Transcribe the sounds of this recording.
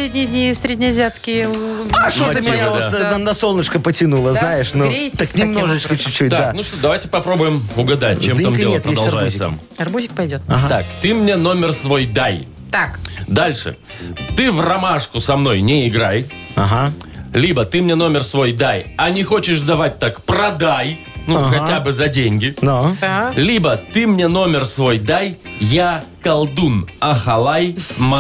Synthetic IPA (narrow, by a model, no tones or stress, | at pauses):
sɾʲedʲnʲɪnʲɪsʲɾʲedʲnʲɪɐzʲat̪skʲɪjəʂoəmd̪anɐsolˠnət͡ʃkəpətʲɪnulˠəznajɪʂnoɾet̪əkknʲɪmnoʐɨt͡ɕkət͡ɕʊːut̚ʲd̪ad̪kanuʂt̪od̪ɐvajtʲɪ̥pɐpɾo̞bʊjɪmʊɡɐd̪at̚ʲt͡ɕːemamdeltpɾəd̪lˠʒajɪsɐ̰m | ɐrbuʒʲɪk̚pɐjdʲot̪ɦat̪a̰kt̪ɨmnʲeno̞mʲɪrsvo̞jd̪aj | t̪akd̪alʲʂɨ̰ | t̪ɨvrɐmaʂkʊsɐmno̞jnʲɪɪɡɾaj | aɦa | lʲibət̪ɨmnʲe̞no̞mʲɪrsvo̞jd̪ajɐnʲɪxo̞t͡ɕɪʂd̪ɐvat̚ʲt̪akprɐd̪aj | nuxɐtʲabɨzɐdʲenʲɡʲɪd̪ad̪alʲibət̪ɨmnʲeno̞mʲɪrsvo̞jd̪ajjakɐlˠd̪unɐxɐlˠajm